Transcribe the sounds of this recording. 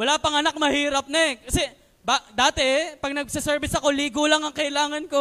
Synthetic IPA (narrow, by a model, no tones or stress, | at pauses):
wɐlaːpɐŋɐnak̚mɐhiːɾɐp̚nɐkɐsɛ | bad̪aːt̪ɛpɐɡ̚nɐɡsɪsɛɹbɪsɐko̞liːɡolɐŋɐŋkɐʔɪlaːŋɐnko̞